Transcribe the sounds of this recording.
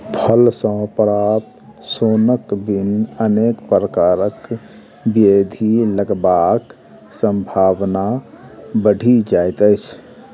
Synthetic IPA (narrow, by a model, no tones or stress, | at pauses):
pʰəlsə̃pɾat̪sonəkbinənekpɾəkaɾək | bed̪ʱiləɡbak | sə̃mbʱabna | bəɽ̤ʱid͡ʒaɪt̪əɪt͡ʃʰ